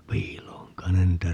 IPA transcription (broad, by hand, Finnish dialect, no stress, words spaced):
piːlˑoːŋ kɑin ne niːtæ